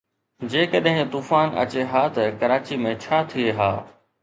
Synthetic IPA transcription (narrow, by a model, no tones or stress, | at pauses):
d͡ʑeːkɐɗɦɪ̃t̪uːfaːnɐ̰t͡ɕeɦaːt̪ɐkɐɾaːt͡ɕimẽt͡ɕʰaːt̪ʰieɦa̰ː